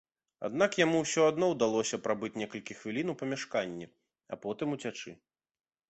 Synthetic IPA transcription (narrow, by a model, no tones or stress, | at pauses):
a̰d̪nakjamuwsʲɔad̪nɔwd̪alˠɔsʲɐpɾabɨt͡sʲnʲɛkɐlʲkʲixvʲilʲinuwpɐmʲaʂkanʲːɛ | ɐ̰pɔt̪ɨmut͡sʲat͡ʂɨ